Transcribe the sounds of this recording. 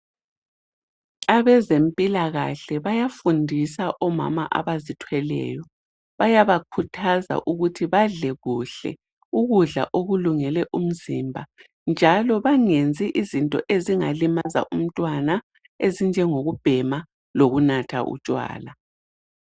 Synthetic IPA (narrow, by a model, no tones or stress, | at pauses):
aβɛzempʼilaɣa̰ɬɛβajafundʱisaʔɔma̰maʔa̰βazitʰwɛlɛ̰ːjɔ | βajaβakʰutʰaza̰ʔuɣutʰiβaɮɛɣuɬɛ̰ | uɣuɮa̰ʔoɣuluŋɛlɛʔum̩zimbʱa | nd͡ʒʱalɔβaŋend͡zʱiʔizintʼɔ̰ʔeziŋa̰limaza̰ʔum̩tʼwana | ezind͡ʒʱɛŋoɣub̥ʱɛma | loɣunatʰa̰ʔṵt͡ʃʼwa̰ːla